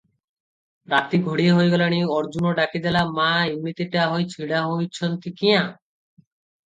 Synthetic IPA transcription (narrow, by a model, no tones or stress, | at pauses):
ɾat̪iɡʱoɽieɦojɡɔlaɽ̃ieɔɾd͡ʑunoɖakid̪ɛlamãimːit̪eʈaɦojt͡ɕʰiɽaɦojt͡ɕʰɔnt̪ikiã